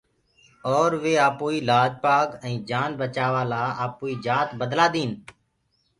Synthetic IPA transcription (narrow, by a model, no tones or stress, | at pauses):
ɔːɾʋeːaːpoːiːlaːd͡ʒpaːɡɛ̃ːd͡ʒaːnbət͡ʃaːʋaːlaːaːpoːiːd͡ʒaːt̪bəd̪laːd̪ĩːn